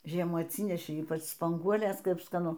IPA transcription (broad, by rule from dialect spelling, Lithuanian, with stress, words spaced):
ˈʒʲiɛmuː ɐtʲˈsʲiːnʲɛʃʲɛɪ ˈiːpɐt͡ʃ spɐŋˈɡuɔlʲeːs ˈkɐp skɐˈnʊ